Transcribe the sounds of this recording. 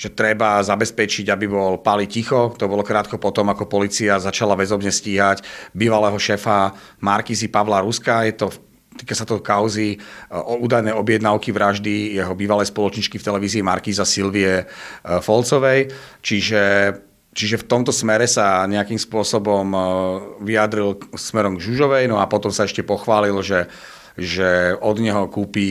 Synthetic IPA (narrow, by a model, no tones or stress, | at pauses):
ʒ̥ɛt̪ɾɛbazabɛspɛt͡ʃiɟabibɔlpalicixɔt̪ɔbɔlɔkɾaːt̪kɔpɔt̪ɔmakɔpɔliːt͡siazat͡ʃalaʋɛzɔbɲɛsciːɦacbiːʋalɛːɦɔʃɛːfamaɾkiːzipaʋlaɾuskajɛt̪ɔ | t̪iːkasat̪ɔkaʊziɔuːd̪ajnɛjɔbjɛd̪naʊkiʋɾaʒd̪ijɛɦɔbiːʋalɛjspɔlɔt͡ʃɲit͡ʃkift̪ɛlɛʋiːziːmaɾkiːzasilʋiɛfɔlt͡sɔʋɛj | t͡ʃiʒɛ | t͡ʃiʒɛft̪ɔmt̪ɔsmɛɾɛsaɲɛakiːmspʊɔsɔbɔm | ʋiad̪ɾilsmɛɾɔmɡʒuʒɔʋɛjnɔapɔt̪ɔmsaɛʃcɛpɔxʋaːlilʒɛ | ʒɛɔd̪ɲɛɦɔkuːpi